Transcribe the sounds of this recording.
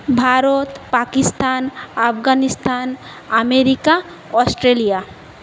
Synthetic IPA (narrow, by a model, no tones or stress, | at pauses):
bʱaːɾot̪pakɪst̪aːnɐpɡanɪst̪aːn | əmeɾika | ɔːsʈɾeːlija